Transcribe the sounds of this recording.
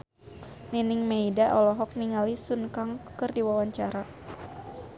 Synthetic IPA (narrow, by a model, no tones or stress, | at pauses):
ninɪŋmeidaʔɔlɔɦɔk̚niŋalisunkaŋkɨrdiwawaɲt͡ʃaɾa